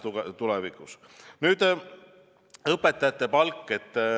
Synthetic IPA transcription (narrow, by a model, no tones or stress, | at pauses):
t̪ulɛvikˑus | nyːd̪̥ | ɤpːe̞t̪ːˑɑjɑt̪ːˑe̞pɑlkːˑe̞t̪ː